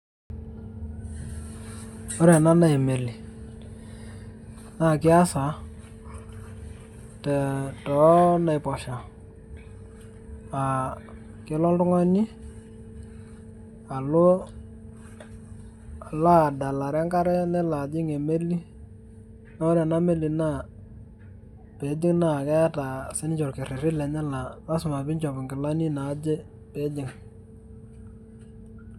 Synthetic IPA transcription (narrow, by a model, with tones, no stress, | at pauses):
ɔ˦ɾɛ˨na˦na˦e˨me˨li˨ | na˦˨kɪ˦a˦sa˨ | tɛ˨tɔ˨˦na˨ɪ˨pɔ˨ʃa˨ | a˨ | kɪ˨˦lɔ˦ldʊ˦ŋɔ˦nɪ˦ | a˨lʊ˦˨ | la˦˨da˨la˨ɾa˦ŋka˦ɾɛ˦nɛ˦la˨d͡ʒɪ˦ŋe˨me˦li˦ | na˦ɔ˦ɾa˨na˦me˦li˨na˦˨ | pe˨˦d͡ʒɪ˦ŋna˦˨kɛ˦ta˨sɛ˦n˦t͡ʃɔ˨ɾkɪ˨ɾɪ˨ɾɪ˦lɛ˨nɛ˦la˨la˦sʊ˨ma˨bɪ˦nt͡ʃɔ˨bɪ˨ŋɡɪ˨la˦ni˦na˨˦d͡ʒɛ˦ | pe˨˦d͡ʒɪ˨ŋ